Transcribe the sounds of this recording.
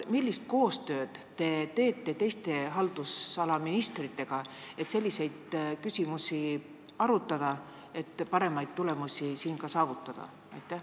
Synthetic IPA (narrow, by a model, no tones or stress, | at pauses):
milʲːist̪̚ko̞ːst̪ø̞ːd̪̥t̪e̞t̪e̞ːt̪ːˑe̞t̪e̞jst̪e̞ɦɑld̪̥usɑlɑminist̪rit̪ːˑe̞ɡ̥ɑe̞t̪se̞lʲːise̞jd̪̥kysimusi | ɑɾut̪ːˑɑd̪̥ɑ | e̞t̪ːpɑɾe̞mɑjd̪̥̚t̪ule̞musʲisiːnkɑsɑːvut̪ːˑɑd̪̥ɑ̰ | ɑ̰jt̪ːˑæh